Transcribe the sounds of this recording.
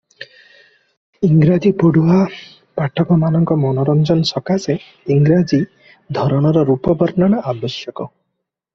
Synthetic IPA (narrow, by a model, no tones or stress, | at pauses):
iŋɡɾad͡ʒipoɽua | paʈʰɔkɔmanɔŋkɔmɔnɔɾɔnd͡ʒɔnsɔkase | iŋɡɾad͡ʒi | d̪ʱɔɾɔɽ̃ɔɾɔɾupɔbɔɾnaɽ̃ɔʔabɔsjɔkɔ